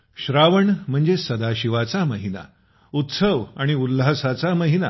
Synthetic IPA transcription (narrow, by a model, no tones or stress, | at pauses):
ɕɾaʋəɳm̤əɳd͡zesəd̪aɕiʋat͡saməɦina̰ | ut̪səʋaɽ̃iulːasat͡saməɦina̰